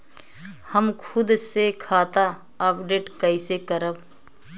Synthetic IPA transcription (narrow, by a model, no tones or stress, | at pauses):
həmkʰʊd̪sekʰaːt̪a | aːpɖeːʈkəisekəɾəb